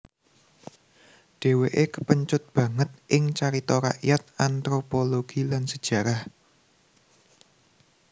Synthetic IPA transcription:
ɖ̥e̤weʔekəpəɲt͡ʃʊt̪̚b̥ä̤ŋət̪̚ʔɪŋt͡ʃaɾit̪ɔɾa̰ʔjat̪̚ant̪ɾopoloɡ̥ilansəd̥ʒ̥ä̤ɾah

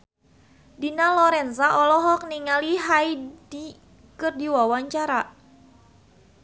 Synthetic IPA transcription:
dinalɔɾɛnsaʔɔlɔɦɔk̚niŋaliɦaidi | kɨrdiwawaɲt͡ʃaɾa

